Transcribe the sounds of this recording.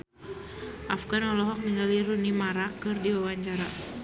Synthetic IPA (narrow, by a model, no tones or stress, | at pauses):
ʔafɡanɔlɔɦɔk̚niŋɡaliɾunimaɾakɨrdiwawaɲt͡ʃaɾa